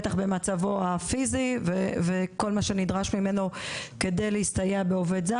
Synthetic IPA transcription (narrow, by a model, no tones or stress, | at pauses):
taχbe̞mat͡savoafiziveveko̞lmaʃe̞nidʁaʃmime̞noke̞dejleistajabeovedza